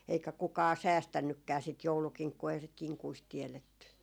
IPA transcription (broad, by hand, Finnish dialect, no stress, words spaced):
eikæ kukɑː sæːstænːykːæː sit joulukiŋkːuː eihæ sit kiŋkuist tiɛletːy